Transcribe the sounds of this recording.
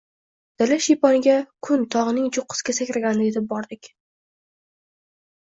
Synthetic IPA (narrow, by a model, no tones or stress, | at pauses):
d̪̥ɪlaʃijpɒnɪɡʲakʰʊnt̪ʰɒʁɨnɪŋd͡ʒʊqʰːɨ̥skʲasakʲɾaɡʲanɪet̪ɪp̚bɒɾd̪ɪkʲ